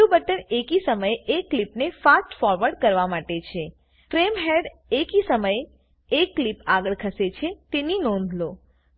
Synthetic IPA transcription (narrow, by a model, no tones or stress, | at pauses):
ubəʈəɳekisəməjekːlipnefasʈfɔɾʋəɾɖkəɾʋamaʈet͡ʃʰe | fɾemɦeɖ | ekisəməj | ekːlipaɡəɭkʰəset͡ʃʰet̪eninɔ̃nd̪ʱlo